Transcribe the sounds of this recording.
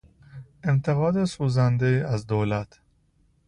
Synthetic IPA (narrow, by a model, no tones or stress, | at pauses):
ʔe̞mt̪ʰe̞ɣɒːd̪e̞suːzænd̪e̞iːæzd̪oːlæt̪ʰ